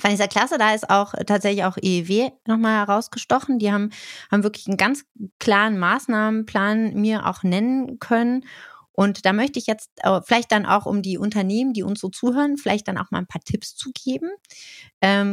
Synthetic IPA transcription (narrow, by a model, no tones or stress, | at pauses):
fndiːzɐkl̥asədaːɪsta̰ʊxtʰaːtz̥ɛçlɪçaʊxʔeveːnɔχmaːlhɛʁaʊsɡ̥əʃtɔχn̩diːhaːm̩haːbm̩vɪɐklɪçn̩ɡant͡skl̥aːʁ̞ənmaːsnaːmənpʰl̥aːnmiːɐʔa̰ʊxnɛnənkʰœnənʔʊntd̥aːmœçtəɪçjɛt͡stʔfɪlaɪçt̚d̥anʔa̰ʊxʔʊ̰mdiːʔʊntɐneːməndiːʊ̰nsz̥oːt͡suːɦøːʁənfɪlaɪçt̚d̥ana̰ʊxma̰ːlnpʰaːɐtʰɪpst͡suɡeːbm̩ʔɛːm